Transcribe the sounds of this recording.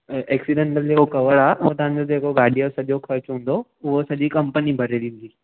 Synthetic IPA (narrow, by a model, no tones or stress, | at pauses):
ʔeːksiɖẽɳʈəld͡ʑeːkokɐʋəɽaːɦeʊt̪ɐʋãɲ̆d͡ʑod͡ʑeːkoɡaːɖʱijosɐʄokʰɐɾt͡ɕɦũːn̆d̪oʊɦosɐʄikɐ̃mpənibʱɐɾeɗĩːnd̪iː